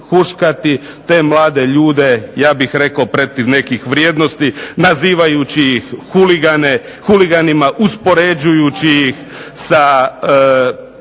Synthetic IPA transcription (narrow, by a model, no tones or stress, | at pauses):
xuʃkat̪it̪e̞ːmlˠaːd̪e̞ʎuːd̪e̞jaːbixɾe̞kaopɾo̞t̪iʋne̞kixʋɾjeːd̪no̞st̪inaziːʋajut͡ɕijixxuliɡane | xuliɡanimaʔuspo̞ɾed͡ʒujut͡ɕijix | sa